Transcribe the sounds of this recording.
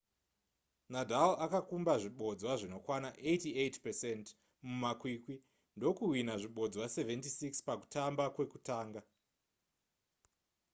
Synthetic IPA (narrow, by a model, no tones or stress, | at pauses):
nadʱalakakumbaʐiɓo̞d͡zwaʐino̞kwanaʔejtietpesent | mumakwiːkwi | ndo̞kuɦwinaʐiɓo̞d͡zwase̞ventisikspaku̥tambakwe̞kutaːŋɡa